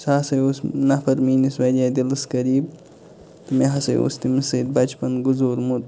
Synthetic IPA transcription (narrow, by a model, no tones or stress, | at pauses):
saːsɐjoːsnɐpʰɐɾmiːnisʋɐdʲaːd̪ʲilɨskɐɾiːb | t̪umeɦɐsɐ̰jo̰st̪imisɨd̪̚bɐt͡ʃpɐnɡuzoːɾmut̪